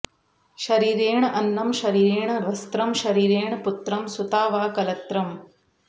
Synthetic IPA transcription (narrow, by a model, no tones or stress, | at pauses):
ʃɐɾiːɾeːɳɐʔɐnːɐmʃɐɾiːɾeːɳɐʋɐst̪ɾɐmʃɐɾiːɾeːɳput̪ɾɐmsut̪aːʋaːkɐlɐt̪ɾɐm